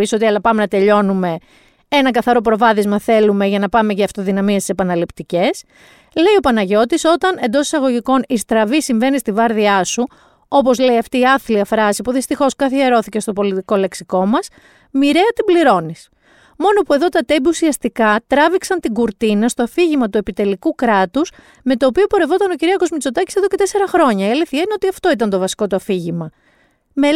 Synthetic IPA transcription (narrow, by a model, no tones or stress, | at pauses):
isot̪iɐlɐpɐme̞nɐt̪e̞ʎo̞nume̞ | e̞nɐkɐθɐɾo̞pɾo̞vɐðizmɐθe̞lume̞ʝɐnɐpɐme̞ʝɐːft̪o̞ðinɐmiest̪i̥se̞pɐnɐlipt̪ice̞s | le̞io̞pɐnɐʝo̞t̪iso̞t̪ɐne̞nd̪o̞si̥sɐɣo̞ʝiko̞nist̪ɾɐvisiɱve̞nist̪ivɐɾðiɐsu | o̞po̞zle̞iɐft̪iːɐθliɐfɾɐsipuðist̪ixo̞skɐθieɾo̞θice̞st̪o̞po̞lit̪iko̞le̞ksiko̞mɐs | miɾe̞ɐt̪ibliɾo̞nis | mo̞no̞pue̞ðo̞t̪ɐt̪e̞biusiɐst̪ikɐt̪ɾɐviksɐnt̪iɡuɾt̪inɐst̪o̞ɐfiʝimɐt̪ue̞pit̪e̞likukɾɐt̪us | me̞t̪o̞ːpio̞po̞ɾe̞vo̞t̪ɐno̞ciɾiɐsko̞zmit͡so̞t̪ɐci̥se̞ðo̞ce̞t̪e̞se̞ɾɐxɾo̞ɲɐieliθiɐineo̞t̪iɐft̪o̞it̪̬ɐnt̪o̞vɐsi̥ko̞t̪uɐfiʝimɐ | me